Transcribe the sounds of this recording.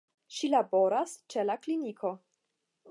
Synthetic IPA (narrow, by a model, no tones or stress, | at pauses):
ʃilabo̞ɾast͡ʃelaklinikʰo̞